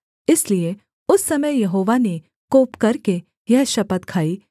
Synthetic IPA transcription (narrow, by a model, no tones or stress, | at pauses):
ɪslie | ʊsːɐməjjɐɦoːʋane | koːpkɐɾke | jɛɦʃɐpət̪kʰaːiː